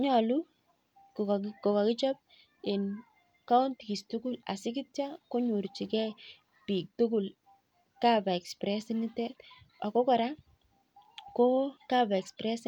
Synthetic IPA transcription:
ɲɔ˨lu˦ | kko˨ka˨kɪ˦t͡ʃɔ˦p̚ | e˨n | ka˦u˦ntki˨stu˦kʊ˦la̰˨sɪ˦ki˦tja˦ko˦ɲu˨ɾt͡ʃi˨kɛ˦ | pi˨k̚tu˦k̬ʊ˨l | ka˦ba˨ɛ˨kspɾɛ˦sini˦tɛ˦t | a˨kɔ˦kɔ˨ɾa˦ | ko˦ka˦ba˨ɛ˨kspɾɛ˦s

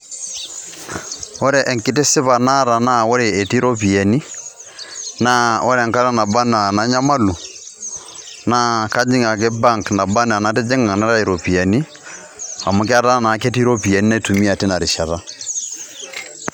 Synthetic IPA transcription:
ɔ˦ɾɛ˨ʔɛ˨ŋki˦te˦sɪ˦βa˨na˦ɾa˨na˦ɔ˦ɾeː˨ti˦ɾɔ˦pi˨ɛ˨ni˦ | na˦ɔ˦ɾɛ˨ŋka˦ɾa˦na˨ba˦na˨na˨˦ɲa˦ma˦lu˨ | na˦ka˦d͡ʒi˦ŋɡa˨k̬e˦ba˦ŋkna˨ba˦na˨na˨˦te˦d͡ʒe˦ŋa˨na˦ɾa˦i˨ɾɔ˨pi˨ɛ˨ni˦ | a̰˨mo˨k̬e˦a˦ɾa˦na˨˦ke˦ti˦ɾɔ˦pi˨ɛ˨ni˦na˦i˨tu˨mi˦a˨te˦na˨ɾi˨ʃa˨ða˦

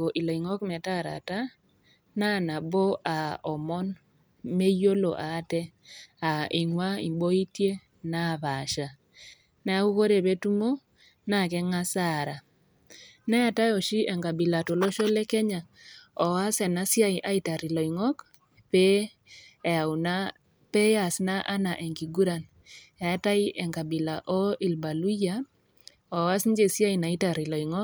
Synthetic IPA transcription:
o˨ʔi˨lo˨i˨ŋɔ˦kmɛ˨ta˦˨ɾa̰˨ta˦ | na˦˨na˨bo˦ʔa˨ɔ˨mɔ˦n | me˦jo˦lo˨ʔa˨˦tɛ˦a˨ʔi˨ŋwa˦ḭ˨bo˦i˦tje˦ | na˦˨βa˨ʃa˨ | na˨˦a˦u˦ko˦ɾe˨be˦tu˦mo˦ | na˦˨kɛ˦ŋa˦sa˦˨ɾa˨ | nɛ˦ja˦ta˦jɔ˨ʃi˦ʔɛ˨ŋka˨bi˨la˨to˨lo˦ʃo˦le˦kɛ˦ɲa˨ | ɔ˨wa˦sɛ˨na˦sja˦iʔa˦i˦ta˨ɾi˨lɔ˨i˨ŋɔ˦k | pe˦ | ɛ˨a˨wna˦ | pe˦ja˨sna˦ʔa˦na˨ʔe˨ŋki˨ɡu˦ɾa˨n | ɛ˨a˦ta˦i˦ʔɛ˨ŋka˨bi˨la˨ʔo˦ʔi˨lba˨lu˦ja˦ | ɔ˨wa˦sn˦d͡ʒe˦˨sja˦i˨na˨i˦ta˨ɾi˨lɔ˨i˨ŋɔ˦

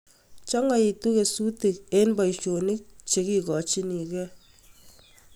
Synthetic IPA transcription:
t͡ʃɔ˦ŋ˦˨i˨tu˦ke˨su˦te˨ke˦nbɔ˨i˨t͡ʃo˨ni˦k̚t͡ʃe˨˦ki˦kɔ˨t͡ʃi˦ni˨kɛ˦

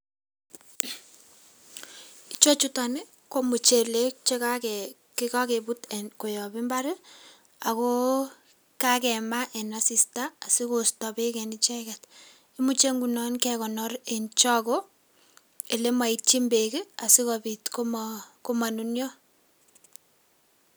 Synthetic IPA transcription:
i˦t͡ʃo˦t͡ʃuta˨nɪ˦ | ko˦mu˨t͡ʃe˨le˦k̚t͡ʃe˦ka˦kɛ | kɪ˦ka˦ke˨bu˦tɛnko˨jɔ˨bi˦mba˦ɾɪ˦ | a˨ko˦ | ka˦kɛ˨ma˦ʔɛ˨na˨si˨staː˦˨si˦ko˨stɔ˨pe˦kɛni˦t͡ʃɛ˦kɛ˨t | i˦mu˦t͡ʃe˦ŋɡu˨nɔ˦nkɛkɔ˨nɔre˨nt͡ʃɔ˦ko | e˨le˦ma˨it͡ʃi˦mbe˨kɪ˦a˨si˦kɔpi˨tkomko˦ma˨nunjɔ˦

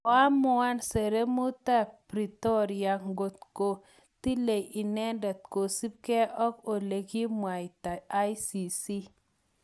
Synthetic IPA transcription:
ɔ˨a˦mʊ˦a˦nse˨ɾe˦mu˦t̪a˦pɾi˨t̪o˦ɾia˨ŋɡo˨t̪ko˨ | t̪i˦le˨ji˨nɛ˦nda˨t̪̚ko˨si˦p̚kɛ˦ʔɔ˦ko˨le˨ɡi˦mwa˨jta˨a˦jsi˨si˦

